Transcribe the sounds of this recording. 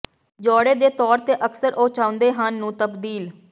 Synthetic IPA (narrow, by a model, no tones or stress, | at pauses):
d͡ʒɔːɽeːd̪eːt̪ɔːɾt̪eːʔəksəɾʔoːt͡ʃaːʊnd̪eːɦənːũːt̪əbd̪iːl